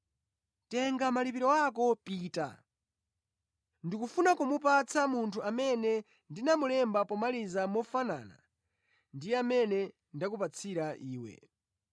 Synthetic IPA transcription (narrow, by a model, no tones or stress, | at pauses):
tɛŋɡamalipiɾɔak̬ɔpiːta̰ | ndikufunakumup̬at͡sʰamuntʰuamɛnɛ | ndinamulɛmbapɔmalizamɔfana̰ːna̰ | ndijɛamɛnɛ | ndakupat͡sʰiɾaʔiːwɛ̰